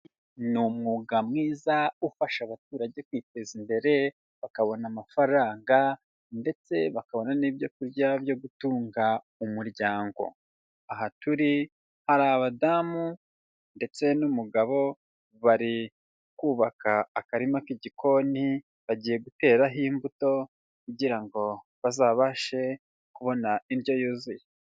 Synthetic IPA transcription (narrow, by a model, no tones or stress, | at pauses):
numŋuːɡamŋiːzaufaʃaβatuːɾaɟe̞kwiːte̞zimbe̞ɾe̞ | βakaβo̞namafaɾaːŋɡa | nde̞t͡se̞βakaβo̞naniːbjo̞kuɾɟabjo̞ɡutuːŋɡa | umuɾɟaːŋɡo̞̰ | aɦatuɾi | haɾaːβadamu | nde̞t͡se̞numuɡaβo̞ | βaɾi | kuːβakaːkaɾimakiɟikʰo̞ni | βaɟiːje̞ɡute̞ːɾaɦiːmbuto̞ | kuɟiɾaŋɡo̞ | βazaːβaʃe̞ | kuβo̞nainjo̞juːzije